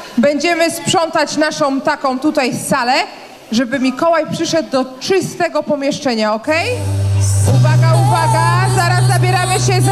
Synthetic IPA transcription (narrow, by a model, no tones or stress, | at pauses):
bɛɲd͡ʑɛmɘspʂɔnt̪at͡ɕnaʂɔ̃w̃t̪akɔ̃w̃t̪ut̪ajfsalɛ | ʐɛbɘmʲikɔwajpʂɘʂɛd̪̚ːɔt͡ʂɘst̪ɛɡɔpɔmʲjɛʂt͡ʂɛɲaɔkɛj | uvaɡauvaɡazaɾazːabʲjɛɾamɘɕɛ